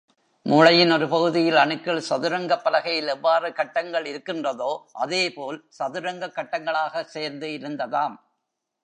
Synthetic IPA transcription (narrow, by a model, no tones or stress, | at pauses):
muːɻɐjɪnɔɾɯpɐɣɯðɪjɪlɐɳɯkːɪɭsɐðɯɾɐŋɡɐpːɐlɐɣɐjɪlɛʋːaːrɯkɐʈːɐŋɡɐɭɪɾɯkːɪndrɐðoːʔɐðeːpoːlsɐðɯɾɐŋɡɐkːɐʈːɐŋɡɐɭaːɣɐseːɾnd̪ɯɪɾɯnd̪ɐðaːm